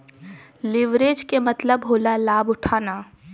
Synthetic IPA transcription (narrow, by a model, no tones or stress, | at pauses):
lɪʋɾeːd͡ʒkemɐt̪ləbɦoːlalaːbʊʈʰaːnaː